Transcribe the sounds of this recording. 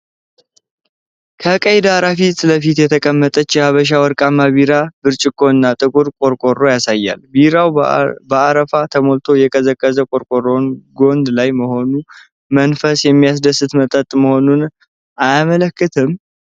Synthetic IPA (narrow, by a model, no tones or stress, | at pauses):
kʰəkʼəjd̪aɾafit̪ləfit̪jɛt̪ʰəkʼəmːət̪ʼət͡ʃːjɛhaβəʃ̬awəɾkʼamːaβiɾabɨɾt͡ʃʼɪkʼːo̞ɨnːat̪ʼɨkʼuɾkʼo̞ɾkʼo̞ro̞jasajːa̰lbiɾawbəaɾəfat̪ʰəmolt̪ʰo̞jɛkʼəzəkʼːəzəkʼo̞ɾkʼoro̞nɡo̞nd̪lajməho̞nu | mənfəsjɛmːijas̬d̪əsɨt̪mət̪ʼət̪ʼməho̞nun | ʔajamələkːɨt̪ʰɨm